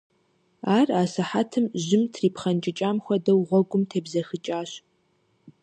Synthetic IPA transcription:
aːraːsɐħaːtʰɨmʑɪmtʰriːpχɐnt͡ʃʼɪt͡ʃʼaːmxʷɐdɐwʁʷɔɡʷʊmtʰeːbzɐxɨt͡ʃʼaːɕ

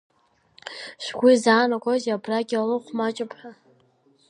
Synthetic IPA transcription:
ʃʷɡʷizaːnaɡʷʼazabraɡʲalɨqʷmat͡ʃʼɪpʰʼħa

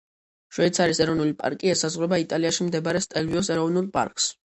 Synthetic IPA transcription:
ʃwɛit̪sʰaɾisɛɾɔnulipʼa̰ɾkʼiɛsazʁɾɛbait̪ʼaliaʃimd̪ɛbaɾɛst̪ʼɛlviɔsɛɾɔvnulˠpʼa̰ɾkʼs

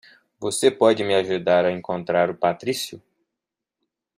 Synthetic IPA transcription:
vosepɔd͡ʒɪmɪaʒud̪aɾɐẽŋkõnt̪ɾaɾʊpat̪ɾisjʊ

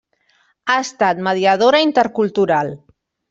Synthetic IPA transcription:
ast̪at̪məðiəð̞oɾəint̪əɾkulˠt̪uɾalˠ

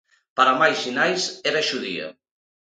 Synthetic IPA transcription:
paɾamajzinajseβɛʃuðḭɐ̰

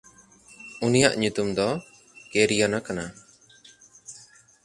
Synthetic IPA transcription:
unijaʔɲut̪umd̪ɔ | keɾijɔnakana

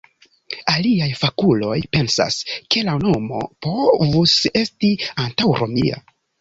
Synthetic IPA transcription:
aliajfakulo̞jpe̞nsa̰skʰe̞lano̞mo̞̰po̞vuse̞stiantawɾo̞mia̰

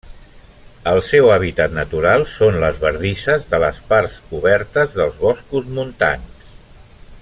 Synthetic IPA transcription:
əlˠsɛwaβ̞it̪at̪nət̪uɾalˠsonləzβəɾðisəzðələspaɾsuβɛɾt̪əzðəlˠzβɔskuzmunt̪a̰ns

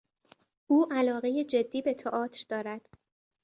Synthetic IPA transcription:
uːʔælɒːɣe̞jed͡ʒe̞d̪ːiːbe̞t̪ʰɒʔɒːt̪ʰɾd̪ɒːɾæd̪̥

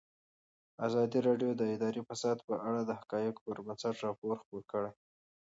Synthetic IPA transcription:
azɑd̪iɾɑɖjod̪əɪd̪ɑɾifasɑd̪pəʔaɽad̪əhakɑjɪkpəɾmansaʈɾɑpoɾxpoɾkəɽej

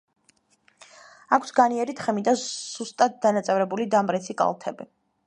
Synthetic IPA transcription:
akʷʰsɡaniɛɾit̪ʰχɛmid̪az̥ust̪ʼat̪̚d̪anat̪sʼɛvɾɛbulid̪amɾɛt̪sʰikʼa̰lˠt̪ʰɛbi

